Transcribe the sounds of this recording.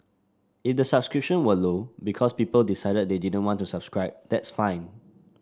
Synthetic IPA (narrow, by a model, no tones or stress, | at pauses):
ifdəsab̥skɹip̚ʃə̃nwəlobikʰɔspiːpəldisaɪdəd̚dedidə̃ntwɔ̃ntusab̥skɹaɪb̚d̥ɛtsfãɪ̃n